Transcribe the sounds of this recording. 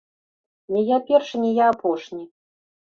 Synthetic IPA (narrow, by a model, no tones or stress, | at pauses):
nʲɛjapʲɛrʂɨnʲɛjaːpʰɔʂnʲi